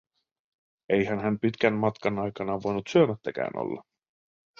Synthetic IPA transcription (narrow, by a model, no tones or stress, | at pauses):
e̞jɦænɦæmpit̪k̟ænmɑt̪kɑnɑjkɑnɑʋo̞jnut̪syømæt̪ːækæ̰ːnʔo̰lːɑ̰